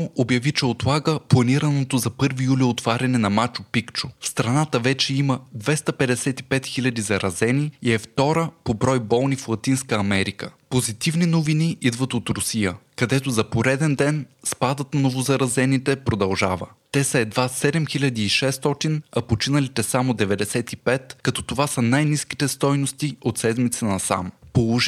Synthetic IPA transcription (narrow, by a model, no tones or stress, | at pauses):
ʔobjɐvit͡ʃɛot̪lˠaɡəplˠɐniɾənot̪ozɐpɤɾvijuliot̪vaɾʲɐnɛnɐmat͡ʃopikt͡ʃofst̪ɾɐnat̪əvɛt͡ʃɛiməd̪vɛst̪əpɛd̪ɛsɛt̪i̥pɛt̪xilʲɐd̪izɐɾɐzɛniiɛft̪ɔɾəpobɾɔjbɔlˠniflˠɐt̪inskəɐmɛɾikəpozit̪ivninoviniʔid̪vət̪ot̪ɾʊsijəkɐd̪ɛt̪ozɐpoɾɛd̪ɛnd̪ɛnspad̪ət̪nnovozɐɾɐzɛnit̪ɛpɾod̪ɐlˠʒavə̰t̪ɛsɐɛd̪vasɛd̪ɛmxilʲɐd̪iːʃɛst̪ɔt̪inɐpot͡ʃinəlit̪ɛsamod̪ɛvɛd̪ɛsɛt̪ipɛt̪kɐt̪ɔ̥t̪ovasənajniski̥t̪ɛst̪ɔjnost̪iot̪sɛd̪mit̪sənɐsa̰mpolˠoʒ